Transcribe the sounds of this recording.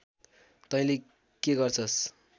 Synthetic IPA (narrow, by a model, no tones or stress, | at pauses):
t̪ʌĩle | keɡʌrt͡sʰʌs